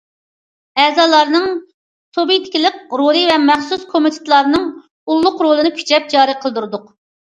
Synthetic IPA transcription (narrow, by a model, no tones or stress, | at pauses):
ɛzɑːlˠɑɾnɨŋ | t̪ʰobijt̪ʰɪ̥kʲilɪkɾolˠɨvɛmɛχsuskʰomɪt̪ʰɪ̥t̪lˠɑɾnɨŋ | ulˠːʊqɾolˠɨnɨkʲʰy̥t͡ʃʰɛp̚d͡ʒɑːɾɨqʰəlˠɨd̪uɾɨd̪ʊq